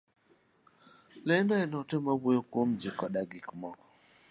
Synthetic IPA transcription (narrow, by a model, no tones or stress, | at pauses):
lendɔɛnɔtemabojokwomd͡ʒɪkɔɗaɡɪkmɔkɔ̥